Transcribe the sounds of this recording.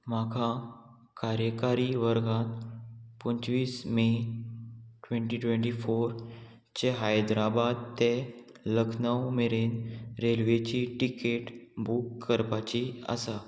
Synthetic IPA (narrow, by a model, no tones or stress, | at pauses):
makʰa | kaɾjəkaɾiʋəɾɡãt̪puɲt͡ɕʋiːsme | ʈʋeɳʈiʈwʋẽɳʈifoɾ | t͡ɕeɦajd̪ɾabad̪̚t̪e | ləkʰnəwmeɾenɾelʋet͡ɕiʈikeʈbukːəɾpat͡ɕia̰sa